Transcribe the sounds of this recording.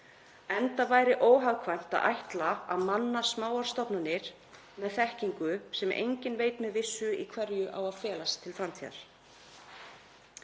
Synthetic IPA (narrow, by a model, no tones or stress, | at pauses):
ɛnt̪avaːjɾɪʔoːwɦaɣkʰvajm̥t̪a̰ðʔa̰jht̪laaðmanːasmaːwaɾ̥st̪ɔpnanːɪɾ̥ | mɛðθɛhciŋkʏsɛmʔḛjɲcɪnveːjt̪mɛðvɪsːʏikʰvɛɾjʏʔawaðfɛːlast̪ʰɪlfɾamt̪ʰiða̰ɾ̥